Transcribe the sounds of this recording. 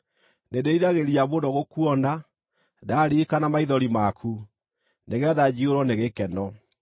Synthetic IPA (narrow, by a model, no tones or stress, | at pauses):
nedeiɾaɣeɾiaβondɔɣokwɔna | daɾikanamaiðɔɾimakʰu | neɣɛðad͡ʑioɾwɔneɣekɛnɔ